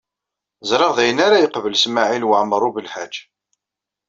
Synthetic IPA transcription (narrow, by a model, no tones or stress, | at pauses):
zɾəʁðæjənaɾajəqvəlsmaʕilwəʕmɾˤubəlħad͡ʒ